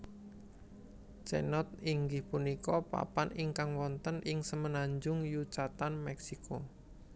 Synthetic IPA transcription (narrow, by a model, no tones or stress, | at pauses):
t͡ʃɛ̰nɔt̪̚iŋɡɪhpunikɔpa̰panɪŋkaŋwɔnt̪ənʔɪŋsəmənaɲd͡ʒʊŋjut͡ʃat̪anmɛksikʰo